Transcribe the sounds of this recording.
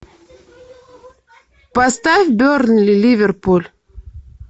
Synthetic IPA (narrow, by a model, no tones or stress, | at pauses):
past̪afʲbʲøɾnlʲilʲivʲerpulʲ